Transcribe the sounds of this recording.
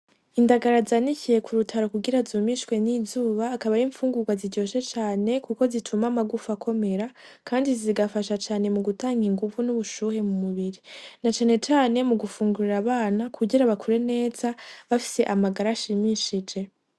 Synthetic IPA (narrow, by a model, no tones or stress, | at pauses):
indaɡaɾazaːnicije̞kʰuɾutʰaɾo̞kuɡiɾazuːmiʃwe̞niːzuːβaːkaβaɾiːɱfuːŋɡuɡwaziɟo̞ːʃe̞t͡ʃaːne̞kuko̞zitʰumamaɡufakʰo̞me̞ɾa | kʰaːndiziɡafaʃat͡ʃaːne̞muɡutaːŋɡiŋɡuvunuβuʃuːhe̞mumuβiɾinat͡ʃaːne̞t͡ʃaːne̞muɡufuːŋɡuɾiɾaβaːnakʰuɟiɾaβakʰuɾe̞ne̞ːzaβafi̥se̞ʔamaɡaɾaːʃimiʃid͡ʒe̞